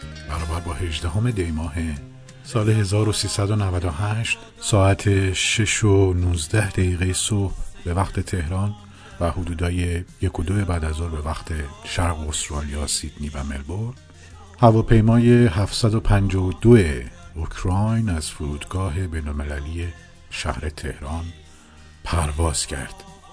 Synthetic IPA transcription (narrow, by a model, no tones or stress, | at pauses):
b̥æɾɒːbæɾbɒːhe̞ʒd̪æɦome̞d̪e̞jmɒːɦe | sɒːleɦe̞zɒːɾosiːsæd̪o̞nævæd̪ohæʃt̪ | sɒːæt̪ʰe̞ʃeʃonuːzd̪æhd̪æɣiːɣejesobhbe̞væxt̪ʰe̞t̪ʰe̞hɾɒːn | væhod̪uːd̪ɒːje̞jekʰo̞d̪oe̞bæːd̪æzoɾbe̞væxt̪ʰe̞ʃæɾɣoost̪ɾɒːlijɒːsid̪̥niːbæmḛlboɾd̪̥ | hævɒːpʰe̞jmɒːje̞ɦæft̪sæd̪o̞pʰænd͡ʒɒːvod̪oeokʰɾɒjnæz̥fuɾuːd̪ɡɒːɦe̞be̞jnolme̞lælije | ʃæ̰hɾe̞t̪ʰe̞hɾɒːn | pʰæɾvɒːz̥cʰæ̰ɾd̪̥